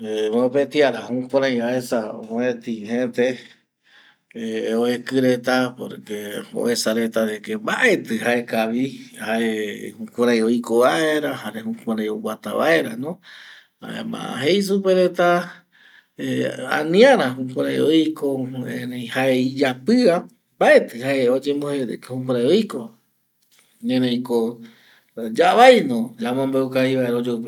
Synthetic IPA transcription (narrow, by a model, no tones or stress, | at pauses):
emopet̪iaɾahũkʷãɾãj̃βaesaoet̪iɦẽt̪e | oekɨɾet̪apo̰ɾkeo̰ʔesaɾet̪aɾekembaʔe̞t̪ɨhae̞kaʋihaehukʷãɾ̃ãj̃oikoβaeɾahaɾehũkʷãɾãj̃owat̪aβa̰eɾanõ | a̰ḛmã̰ɦe̞js̬upeɾet̪a | ea̰nĩãɾahũkʷãɾajojkoẽnẽj̃haeid͡ʒapɨa | mbaʔe̞t̪ɨhaeod͡ʒembohehũk̬ʷãɾajojko | ɲẽnẽj̃ko | d͡ʒaβajnõd͡ʒamõmbeukaiβaeɾaod͡ʒop